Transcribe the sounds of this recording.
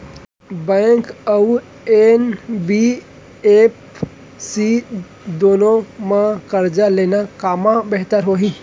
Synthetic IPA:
bɛ̃ŋkəu | enbi | ep | si | d̪oːnõmãkəɾd͡ʒaleːnakaːmãbeɦt̪əɾɦoɦĩ

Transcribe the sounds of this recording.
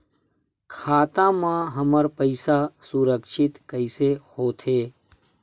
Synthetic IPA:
kʰaːt̪ãmãɦəməɾpəɪsasuɾəkʃɪt̪kəɪsehoːt̪ʰeː

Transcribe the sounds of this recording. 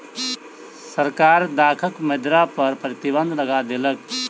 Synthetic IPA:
səɾkaɾd̪akʰəkmed̪ɾapəɾpɾət̪ibə̃nd̪ʱləɡad̪elək̚

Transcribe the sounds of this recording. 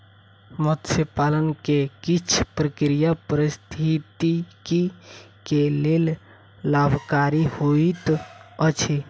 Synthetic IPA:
mɔt̪səpaːlənkekɪt͡ʃʰpɾəkɾijapəɾɪst̪ʰit̪ikikeleːl | labʱkaːɾihoit̪ət͡ʃʰi

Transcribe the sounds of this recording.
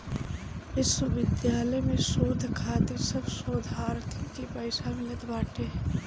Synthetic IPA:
ɪsəʋɪd̪jaːləjmẽʃoːd̪ʱkʰaːt̪ɪɾsɐbʃoːd̪ʱaːɾt̪ʰikipɐɪsamɪlət̪baːʈʰeɦɛ

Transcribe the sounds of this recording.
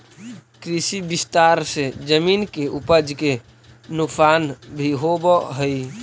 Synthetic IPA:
kɾisibist̪aɾsed͡ʒəminkeʔupəd͡ʒke | nʊksanbʱiɦobəɦəj

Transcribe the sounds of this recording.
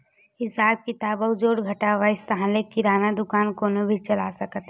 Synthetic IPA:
ɦɪsaːb̚kit̪aːbəʊd͡ʒoːɽɡʱɐʈaʋaɪst̪ɐɦãlekiɾaːnad̪ʊkaːnkoːnobʱit͡ʃɐla̰sɐkət̪

